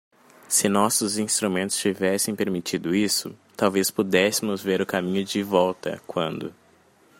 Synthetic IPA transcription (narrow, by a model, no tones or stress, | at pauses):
sɪnɔsʊzĩst̪ɾumẽnt̪ʊ̥st͡ʃivɛsẽj̃peɾmit͡ʃid̪ʊisʊ̰t̪awvespud̪ɛsɪmʊzveɾʊkamĩɲʊd͡ʒɪvɔwt̪ɐ̰kwɐ̃nd̪ʊ̰